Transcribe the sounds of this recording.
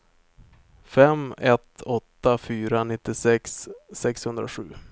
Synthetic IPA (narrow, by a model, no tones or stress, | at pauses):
fɛmɛt̪ʰɔt̪ːafyːɾanɪt̪ːɪsɛksːɛkshɵnd̪ɾa̰ɧʉ̟̰ː